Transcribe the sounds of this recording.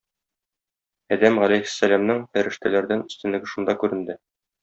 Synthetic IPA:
æd̪æmʁælæjhɘ̥̆sːælæmnɤŋfæɾɘ̆ʃt̪ælæɾd̪ænɵ̆st̪ɘ̆nːɘ̆ɡɘʃund̪ɑkʉɾɘ̆nd̪ɘ

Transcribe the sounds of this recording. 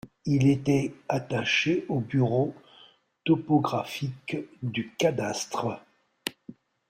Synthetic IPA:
ilet̪ɛat̪aʃeobyʁo | t̪ɔpɔɡʁafikd̪ykad̪ast̪χə

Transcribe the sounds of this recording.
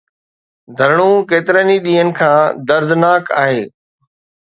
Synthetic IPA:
d̪ʱɐɾɽ̃ukeːt̪ɪɾəniɗiːənɪ̆kʰãːd̪ɐɾd̪ʱnaːkaːɦeː

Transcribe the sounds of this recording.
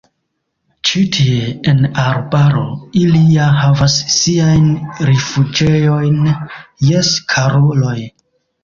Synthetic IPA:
t͡ʃitʰieenaɾbaɾo̞iliahavasːiajnɾefud͡ʒejo̞jnjeskʰaɾolo̞j

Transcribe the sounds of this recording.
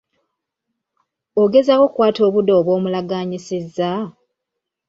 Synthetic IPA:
oɡe̞zako̞kwaːto̞ːβudo̞ːβwo̞ːmulaɡaːɲisizːa

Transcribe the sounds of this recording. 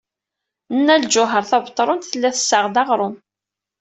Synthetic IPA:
nːæld͡ʒʊɦəɾˤθɑvət̪ˤːɾˤʊnt̪θəlːæθə̥sːəʁd̪ɑʁɾˤʊn

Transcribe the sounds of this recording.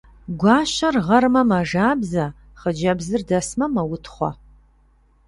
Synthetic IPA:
ɡʷɑːɕɐrʁɐrmɐmɐʐaːbzɐ | χəd͡ʒɐbzɨrdɐsmɐmɐwʊtʰχʷɔ̰

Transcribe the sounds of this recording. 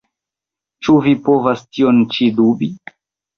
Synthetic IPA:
t͡ʃuvipovastiont͡ʃidubi

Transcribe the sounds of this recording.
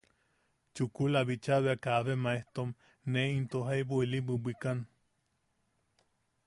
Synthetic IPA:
t͡ʃukulaβit͡ʃaβeakaβemaeht̪om | neint̪oɦajbuilibɨbʷikan

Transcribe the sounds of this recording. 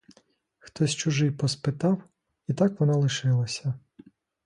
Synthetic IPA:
xt̪ɔsʲt͡ʃʊʒɪjpɔspɪt̪ɑw | it̪ɑkʋɔnɑlˠɪʃɪlˠɐsʲɐ

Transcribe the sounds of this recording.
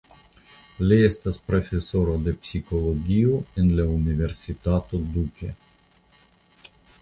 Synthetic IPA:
liest̪aspɾo̞fe̞so̞ɾod̪e̞psiko̞loɡʲioenlaunive̞ɾsit̪at̪o̞d̪ukʲḛ

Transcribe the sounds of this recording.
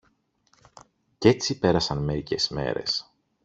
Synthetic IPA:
ce̞t͡sipe̞ɾɐsɐnme̞ɾice̞̰zme̞̰ɾe̞̰s

